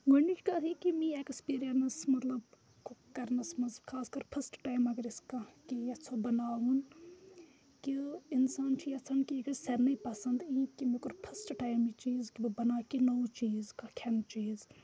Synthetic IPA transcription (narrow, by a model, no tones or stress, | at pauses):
ɡonit͡ʃʲkasikimĩekspiːɾijɐnɐsmɐt̪lɐb | kkɐɾnɐsmɐzkʰaːskɐɾpʰɐsʈʈaːjmɐɡɐɾiskɐkijɐt͡sʰobɐnaːʋun | kiinsaːnt͡ʃʰijɐt͡sʰɐnkiɐɡɐɾsɐɾnɐipɐsɐnd̪ĩkimikuɾpʰɐsʈʈaːjmit͡ʃiːzkibbɐnaːkinoːwt͡ʃiːzkakʰɐnt͡ʃiːz